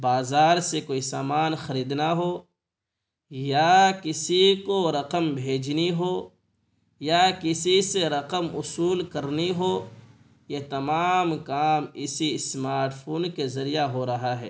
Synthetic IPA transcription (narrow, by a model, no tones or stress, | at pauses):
baːzaːɾsekoːisaːmaːnxɐɾiːd̪naɦo | jakɪsikoɾɐqəmbʱeːd͡ʒniɦo | jakɪsiseɾɐqəmʊsuːlkɐɾniɦo | jet̪ɐmaːmkaːmɪsismaːɾʈpʰoːnkezɐɾijaɦoɾɐɦaɦɛ̰ː